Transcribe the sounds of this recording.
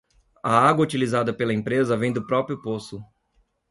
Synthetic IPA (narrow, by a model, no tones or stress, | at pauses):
ɐaɡwɐut͡ʃilizad̪ɐpelɐẽpɾezɐvẽj̃d̪ʊpɾɔpɾjʊposʊ